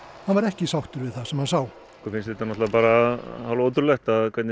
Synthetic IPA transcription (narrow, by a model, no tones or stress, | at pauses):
hanvaɾɛhcɪsawht̪ʏɾvɪðθasɛmhansaːw | kɔɾfɪnsɪt̪ːanɔt̪apaːɾahawloːwt̪ʏɾlɛxt̪aðkʰvɛɾt̪nɪ